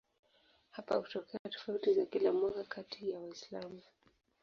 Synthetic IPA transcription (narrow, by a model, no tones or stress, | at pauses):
hapa̰hutɔkʰɛatɔ̥fautizakilamwakakʰatʰijawaislamu